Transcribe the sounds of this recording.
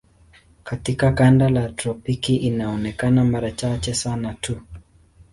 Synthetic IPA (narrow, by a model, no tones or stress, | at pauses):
katikakandalatɾɔpikiʔinaɔnɛkanamaɾat͡ʃat͡ʃɛsanatʰu